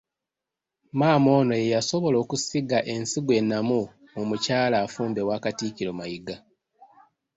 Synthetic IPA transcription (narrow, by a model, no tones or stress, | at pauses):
maːmo̞ːno̞je̞jaso̞βo̞lo̞ːkusiɡaʔe̞nsiɡwe̞nːamu | mumucaːlaːfuːmbe̞waːkatikiɾomajiɡa